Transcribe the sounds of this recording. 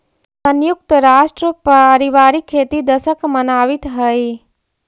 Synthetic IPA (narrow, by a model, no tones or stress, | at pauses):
sənjʊk̚t̪əɾaːʃʈɾəpaɾiʋaːɾikʰːeːt̪id̪əsəkmənaːʋit̪ɦəji